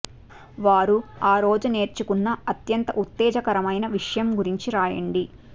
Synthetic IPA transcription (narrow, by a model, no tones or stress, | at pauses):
ʋaːɾuaːɾo̞ːd͡ʒune̞ːɾt͡ʃukunːɐɐt̪jɐnt̪ɐʔut̪ːɛːd͡ʒɐkɐɾɐmɐjnɐʋiʂɐjɐmɡuɾiɲt͡ʃiɾaːjɐ̰ɳɖi